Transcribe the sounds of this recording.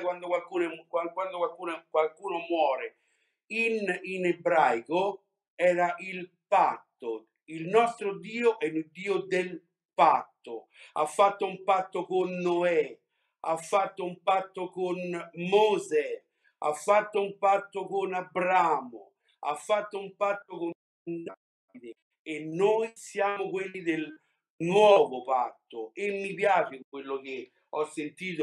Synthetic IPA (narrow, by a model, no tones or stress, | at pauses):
kwand̪okwalkuːnkakwand̪okwalkuːnkwalkuːnomwɔːɾe | ininɛbɾajko | ɛːɾaʔil | pat̪ːo | ilnɔst̪ɾod̪iːoʔɛnud̪iːod̪el | pat̪ːo | a̰fːat̪ːoumpat̪ːokonːoɛ | a̰fːat̪ːoumpat̪ːokonmozɛ | a̰fːat̪ːoumpat̪ːokonabɾamo̰ | a̰fːat̪ːoumpat̪ːokon | nda | vid̪e | enːojsjaːmʊkwelːid̪el | nwɔːvopat̪ːoemːipjaːt͡ʃɪkwelːok̟e | ɔsːent̪iːt̪o